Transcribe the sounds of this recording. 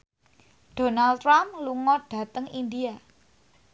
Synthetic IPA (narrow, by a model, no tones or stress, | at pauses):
ɖ̥o̤nalt̪ɾamluŋɔɖ̥ä̤t̪əŋind̪ia